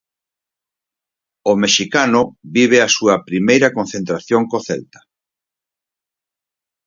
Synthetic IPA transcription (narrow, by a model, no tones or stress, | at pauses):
omeʃikanʊbiβ̞easuɐpɾimejɾɐkon̟θent̪ɾaθjoŋkoθɛ̰lt̪ɐ̥